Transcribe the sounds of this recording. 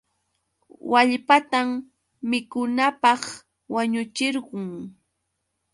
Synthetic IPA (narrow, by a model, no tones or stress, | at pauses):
waʎpat̪amː | ɪkʊnapɑχ | waɲʊt͡ʃɪɾɢʊŋ